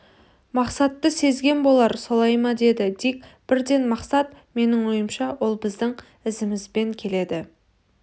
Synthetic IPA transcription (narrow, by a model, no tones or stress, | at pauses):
mɑqsɑt̪ːəse̞zɡʲe̞nbo̞lˠɑɾsolˠɑjmɑd̪e̞d̪ɪd̪ekʲb̥ɪɾd̪e̞nmɑqsɑt̪ | me̞nɪŋwo̞jəmʃɑwo̞lˠbɪzd̪ɪŋ | ɪzɪmɪzbe̞ŋkʲʰe̞le̞d̪ɪ